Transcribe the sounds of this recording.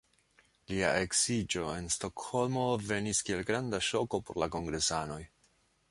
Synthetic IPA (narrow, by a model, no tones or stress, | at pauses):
lia̰ʔe̞ksid͡ʒo̞e̞nsto̞kho̞lmo̞ve̞niskie̞lɡɾandaʃo̞ko̞po̞ɾlako̞ŋɡɾe̞sano̞j